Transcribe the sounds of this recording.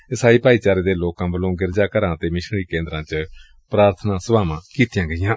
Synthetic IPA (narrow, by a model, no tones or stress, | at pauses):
ɪsaːiːpaːiːt͡ʃaːɾeːd̪eːloːkãːbəlõːɡɪɾd͡ʒaːkəɾãːt̪eːmɪʃɽiːkẽːnd̪ɾãːt͡ʃ | pɾaːɾt̪ʰnãːsəbaːmãːkiːt̪ɪjãːɡəɪjãː